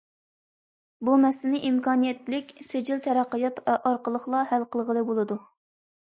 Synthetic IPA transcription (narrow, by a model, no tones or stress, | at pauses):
bumɛslɪnɪʔimkɑːnijɛt̪lɪkʲsed͡ʒilt̪ʰɛɾæqːəjɑt̪ɑɾqəlˠəχlˠɑhælqəlˠʁəlˠəbolˠɨd̪u